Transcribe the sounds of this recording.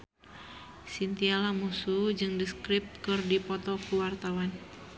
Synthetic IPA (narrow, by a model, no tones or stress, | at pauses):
sint̪ialamusud͡ʒɨŋdiskɾip̚t̪̚kɨrdipɔt̪ɔkuwart̪awan